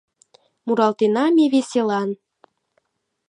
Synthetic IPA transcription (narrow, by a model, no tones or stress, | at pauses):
muɾɑlt̪enɑmʲeβesʲelɑn